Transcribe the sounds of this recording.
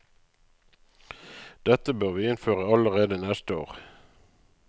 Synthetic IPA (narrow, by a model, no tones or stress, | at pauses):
d̪̥ɛt̪əbøːʁʋiːɪnføːʁəɑləʁeːd̪ənɛst̪əo̰ːʁ